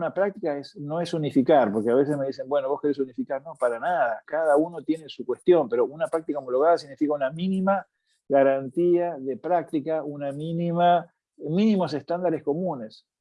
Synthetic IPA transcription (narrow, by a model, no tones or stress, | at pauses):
unapɾak̚t̪ikaesno̞e̞sunifikaɾpo̞ɾkeaβ̞e̞s̬e̞sme̞ðis̬e̞mbwe̞no̞βo̞hke̞ɾes̬unifikaɾno̞paɾanaðakaðauno̞t̪je̞nesukwe̞st̪jo̞mpe̞ɾo̞unapɾak̚t̪ikaomoloɣað̞as̬iɣnifikaunaminima | ɣaɾant̪iaðe̞pɾak̚t̪ikaunaminima | minimose̞st̪and̪aɾe̞sko̞mune̞s